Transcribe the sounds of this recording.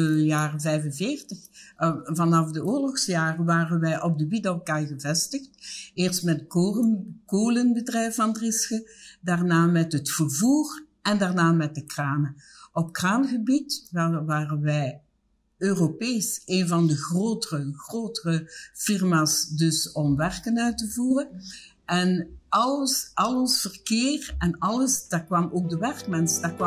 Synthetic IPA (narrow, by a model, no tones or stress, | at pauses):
əjaːrəvɛjvənvɪːrtəxvɑnɑfdəʊːrlɔxsjaːrəʋaːrənʋɛjʔɔb̚dəwidolˠkaɣəvɛstəxteːrstmɛtː | koːlənbədrɛjfɑndrɪskədarnaːmɛtɦətfərvuːr | ɛndarnaːmɛt̚dəkraːnə | ɔp̚kraːnɣəbitʋalʋaːrənʋɛj | øːropeːseːnvɑndəɣroːtərəɣroːtərəfɪrmaːsdɵsɔmʋɛrkənœɥtəvuːrən | ʔɛnɑləsʔɑlɔsfərkɪːrɛnɑləsd̥aːrkʋɑmoːk̚dəʋɛrk̚mɛnsdaːkʋɑ